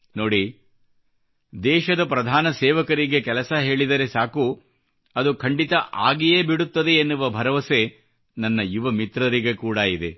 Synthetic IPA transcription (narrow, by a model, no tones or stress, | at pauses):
noːɽi | d̪ɛːʃɐd̪ɐpɾɐd̪ʱaːnɐseːʋɐkɐɾiɡe̞kɛlɐsɐɦe̞ːɭid̪ɐɾe̞saːku | ɐd̪ukʰɐɳɖit̪ɐʔaːɡijeːbiɽut̪ːɐd̪e̞ːnːuʋɐbʱɐɾɐʋɐse̞ | nɐnːɐjuʋɐmit̪ɾɐɾiɡe̞kuːɽɐid̪e̞̰